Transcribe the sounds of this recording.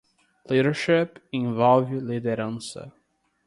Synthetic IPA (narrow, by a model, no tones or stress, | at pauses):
liɾəɹʃɪpĩnvɔlˠvlid̪eɾɐ̃nsə̰